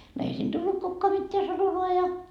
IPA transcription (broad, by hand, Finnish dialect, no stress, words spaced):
no ei siːn tulːut kukːoɑ mitːeæ sɑnomɑː jɑ